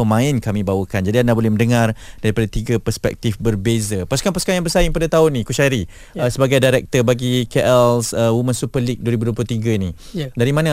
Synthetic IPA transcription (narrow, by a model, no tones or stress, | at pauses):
əmãɪnkamĩbawəkand͡ʒadiandabolɛhmə̃ndəŋardaɾipadat̪iɡapəspɛ̰k̚t̪ifbərbezapasu̥kanpasukanjaŋbəsajɪŋpadat̪aʊnːĩkuʃaɾi | əsəbaɡajdaɾɛk̚t̪əbaɡikɛʔɛlsəwumənsupərlik̚duwəɾibuduwop̬lʊt̪iɡaini | daɾimãnə